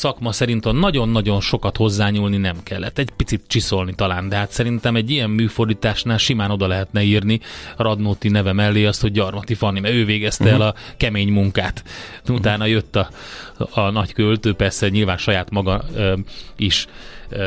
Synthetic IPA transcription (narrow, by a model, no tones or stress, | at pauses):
sɒkmɒsɛɾint̪ɛnːɒɟo̞nːɒɟo̞nʃo̞kɒt̪ho̞zːaːɲuːlninɛmkɛlːɛ̰t̪ːɛɟpit̪sit̪̚t͡ʃiso̞lnit̪ɒlaːnd̪ɛɦaːt̪sɛɾint̪ɛmɛɟːijɛmmyːfo̞rd̪iːt̪aːʃnaːlʃimaːno̞d̪ɒlɛɦɛt̪nɛiːrnirɒd̪noːt̪inɛvɛmɛlːeːɒst̪ho̞ɟɟɒrmɒt̪ifɒnːimɛøːveːɡɛst̪ɛɛlɒkɛmeːɲmuŋkaːt̪ | ut̪aːnɒjøt̪ːɒː | nɒckølt̪øːpɛrsɛɲilvaːnʃɒjaːt̪mɒɡɒ | iʃ